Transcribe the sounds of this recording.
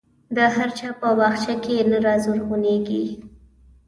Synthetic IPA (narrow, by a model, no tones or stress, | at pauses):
d̪əɦaɾt͡ʃɑpəwɑxt͡ʃakenaɾɑzuɾɣuneɡi